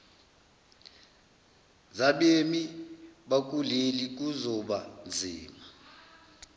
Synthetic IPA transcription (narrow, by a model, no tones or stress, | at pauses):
zaɓemiɓak̬ʼulelik̬ʼuzɔɓand͡zʱiːma